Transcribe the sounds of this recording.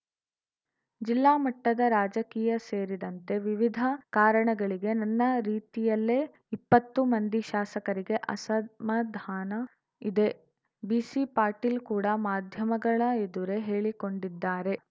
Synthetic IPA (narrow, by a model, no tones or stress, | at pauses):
d͡ʒilːaːmɐʈːɐd̪ɐɾaːd͡ʒɐkiːjɐse̞ːɾid̪ɐnt̪e̞ʋiʋid̪ʱɐkaːɾɐɳɐɡɐɭiɡe̞nɐnːɐɾiːt̪ijɐlːeː | ipːɐt̪ːumɐnd̪iʃaːsɐkɐɾiɡe̞ʔɐsɐd̪mɐd̪ʱaːnɐ | id̪e̞ | biːsipaːɾʈiːlkuːɽɐmaːd̪ʱjɐmɐɡɐɭɐed̪uɾe̞ɦe̞ːɭiko̞ɳɖid̪ːaːɾe̞